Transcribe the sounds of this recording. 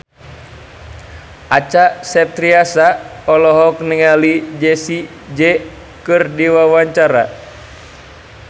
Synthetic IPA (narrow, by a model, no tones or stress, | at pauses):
ʔat͡ʃasɛp̚t̪ɾiasaɔlɔɦɔkniŋalid͡ʒɛsi | d͡ʒɛ | kɨrdiwawaɲt͡ʃaɾa̰